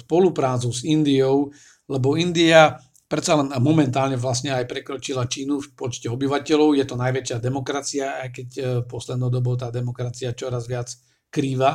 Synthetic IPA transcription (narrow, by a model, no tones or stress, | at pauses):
spɔlupɾaːt͡suzind̪iɔʊ | lɛbɔind̪ia | pɾɛt̪t͡salɛnmɔmɛnt̪aːlɲɛʋlasɲɛajpɾɛkɾɔt͡ʃilat͡ʃiːnufpɔt͡ʃcɛɔbiʋacɛlɔʊjɛt̪ɔnajʋɛt͡ʃɪad̪ɛmɔkɾat͡siaːjkɛcpɔslɛd̪nɔʊd̪ɔbɔʊt̪aːd̪ɛmɔkɾat͡siat͡ʃɔɾazʋɪat͡s | kɾiːʋa